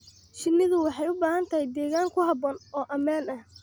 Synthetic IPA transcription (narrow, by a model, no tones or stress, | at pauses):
ʃɪnːɪðʊwɑħɑjʊbaːhɐnt̪ʰɐhɛjd̪ɛːɣaːŋkʰʊhɑbɔːnɔːʔɐmaːnɐh